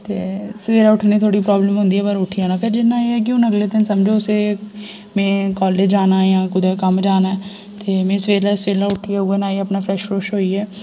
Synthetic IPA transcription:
t̪eːsəʋeːɾaːʊʈʰniːt̪ʰoːɽiːpɾaːbləmɦʊ̃nd̪iːɛːpəɾʊʈʰɪjaːnaːpʰɪɾd͡ʒɪnːãːeːɛːk̬jõːnəɡleːd̪ɪnsəmd͡ʒoːʊseː | mẽːkaːleːd͡ʒd͡ʒaːnaːjãːkʊd̪ɛːkəmd͡ʒaːnaɛ | t̪eːmẽːsəʋeːɾaːsʋeːlaːʊʈʰijaːueːnaːiːəpnaːpʰɾɛːʃfɾoːʃɦoːiːɛː

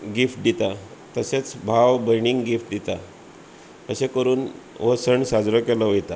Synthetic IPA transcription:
ɡifʈ̚d̪it̪at̪əset͡sbʱaʋbəjɳ̃iŋɡɡifʈ̚d̪it̪a | əɕekəɾuːnʋəsəɳsad͡zɾɔkeləʋəjt̪a

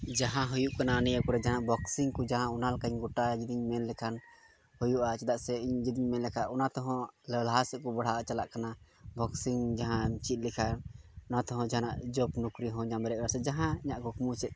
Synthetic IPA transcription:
d͡ʒaɦãɦujuʔkanaːnijakɔɾɛd͡ʒaɦanaʔbɔksiŋkɔd͡ʒaɦãunalkaɲɡɔʈad͡ʒid̪iɲmɛnlɛkʰan | hujuʔat͡ʃɛd̪aʔsɛiɲd͡ʒid̪iɲmɛnlɛkʰaʔɔnat̪ɔɦɔ̃lɛlaɦasɛʔkɔbaɽ̤aat͡ʃalaʔkana | bɔksiŋd͡ʒaɦãmt͡ʃit̪̚ˀlikʰaɾɔnat̪ɔɦɔ̃d͡ʒaɦanaʔd͡ʒɔpnukɾiɦɔ̃ɲamɛɾɛʔaɾsɛd͡ʒaɦãiɲaʔkukumut͡ʃɛt̪̚

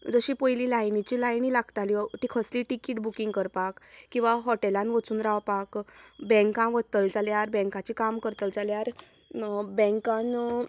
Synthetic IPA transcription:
d͡zəɕipəjlilajnit͡ɕilajnilaɡt̪aliɔʈiːkʰəsliʈikiʈbukĩŋɡkəɾpakːĩw̃ʋaɦɔʈelãnʋət͡suːnɾaʋpakbɛ̃ŋkãmʋət̪əld͡zaljaɾbɛ̃ŋkat͡ɕikamkəɾt̪əld͡zaljaɾ | bɛ̃ŋkãn

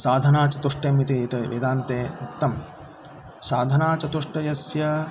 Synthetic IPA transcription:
saːd̪ʱɐnaːt͡ʃɐt̪uʂʈeːmit̪it̪ɐʋḭd̪aːnt̪eːut̪ːɐm | saːd̪ʱɐnaːt͡ʃɐt̪uʂʈɐjɐsjɐ

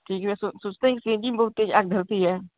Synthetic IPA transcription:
ʈʰiːkɛɛsʊsʊt͡ʃt̪eɦɛ̃kisẽd͡ʒimbəɦʊt̪ːeːd͡ʒaːɡ̚d̪ʱəlt̪iɦɛː

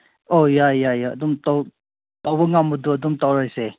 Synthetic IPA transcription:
ojajajaːd̪umt̪ɔw | t̪awbəŋamud̪uəd̪umtawɾajse

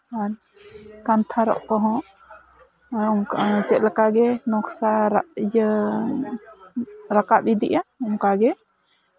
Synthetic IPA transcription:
aɾ | kant̪ʰaɾɔ̰ʔkɔɦɔ̃ | ŋt͡ʃɛt̪̚lakaɡɛnɔksaɾj | ɾakapid̪ḭʔaɔŋkaɡɛ

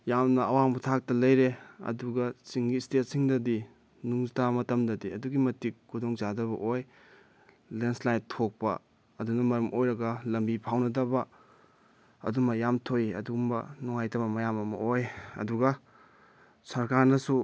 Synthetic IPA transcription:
jamnɐɐwaŋbɐtʰak̚tɐlɐjɾeɐ̰duɡɐt͡ʃiŋɡistet̚siŋdɐdi | nuŋzitamɐtɐmdɐdiɐduɡimɐtikkʰːudoŋzadɐβɐ̰ʔoj | lenslajtʰːok̚pɐ̰ | ɐdunɐmɐɾɐmʔojɾɐɡɐlɐmbipʰawnɐdɐbɐ | ɐ̰dumɐjamtʰojiɐ̰dumbɐ̰nuŋajtʰɐbɐmɐjamɐmɐ̰ojɐ̰duɡɐ | sɐɾkaɾnɐsu

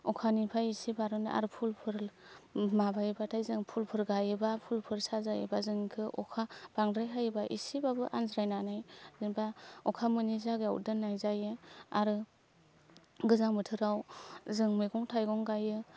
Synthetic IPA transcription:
ɔkʰanipʰajisibaɾɯnʔa̰ɾɯpʰulpʰɯɾ | mabajbatʰajzɯŋpʰulpʰɯɾɡajɯbapʰulpʰɯɾsazajɯ̰bazɯŋkʰɯʔɔkʰab̥aŋdɾajɦajɯbaʔḭsibabɯʔa̰nzɾajnanajzɯŋbaɔkʰamɯnizaɡa̰wdɯnːajzajɯaɾɯ | ɡɯzaŋmɯtʰɯɾawzɯŋmɯjɡɔŋtʰajɡɔŋɡajɯ

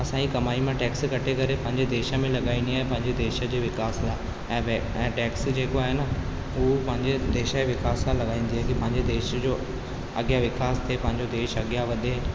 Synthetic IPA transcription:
ɐsãːikɐmaːimãʈɛːkskɐʈʰekɐɾepɐ̃ɦɪ̃ɲd͡ʑed̪eːʃə̆mẽlɐɠaːĩːn̆d̪iaːɦẽpɐ̃ɦɪ̃ɲd͡ʑed̪eːʃə̆d͡ʑeːʋɪkaːslaː | ɛ̃ːʋ | ɛ̃ːʈeːksd͡ʑeːkoaːɦenə | ʊɦopɐ̃ɦɪ̃ɲd͡ʑed̪eːʃəeʋɪkaːsãlɐɠaːĩːnd̪iaːkipɐ̃ɦɪ̃ɲd͡ʑed̪eːʃd͡ʑoː | ɐɡjaʋɪkaːst̪ʰiepɐ̃ɦɪ̃ɲd͡ʑod̪eːʃɐɠjaʋɐɗ̪eɦɪn

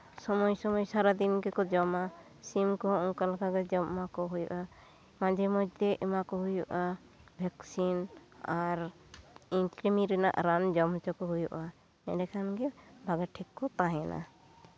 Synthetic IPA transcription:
sɔmɔjsɔmɔjsaɾad̪inɡɛkɔd͡ʒɔma | simkɔɔŋkalkaɡɛd͡ʒɔmmakɔɦujṵʔa | mãd͡ʒɛmɔd͡ʒd̪ɛʔimakɔɦujuʔa | bʱɛksinaɾ | iŋkɾimiɾɛna̰ʔɾand͡ʒɔmt͡ʃɔkɔɦujuʔa | ɛ̰ɖɛkʰanɡɛbʱaɡɛʈʰikːɔt̪aɦɛnʔa̰

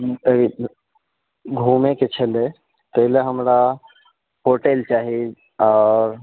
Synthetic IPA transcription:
i | ɡʱumeket͡ʃʰəle | t̪əɦleɦəmɾa | ɦoʈelt͡ʃaːɦi | ɔːɾ

